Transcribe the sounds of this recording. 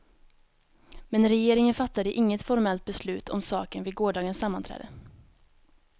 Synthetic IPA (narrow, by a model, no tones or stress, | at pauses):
mɛnɾɛjeːɾɪŋənfat̪ːad̪əʔɪŋːət̪fɔɾmɛlt̪̚bɛslʉ̟ːt̪ʰɔ̰msɑ̰ːkənvɪɡoːɖɑːɡənsamːant̪ʰɾɛ̰ːd̪ə